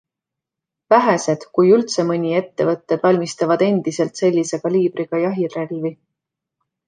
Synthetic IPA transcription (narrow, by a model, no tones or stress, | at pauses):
væɦese̞d̪̥kujylt̪se̞mɤnʲie̞t̪ːe̞vɤt̪ːed̪̥vɑlʲmist̪ɑvɑd̪̥e̞nd̪̥ise̞lt̪se̞lʲːise̞kɑlʲiːb̥ɾiɡ̥ɑjɑɦirelvi